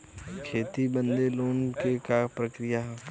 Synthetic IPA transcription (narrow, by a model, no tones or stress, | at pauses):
kʰeːt̪ibə̃nd̪eloːnkekapɾəkɾɪjaɦɛː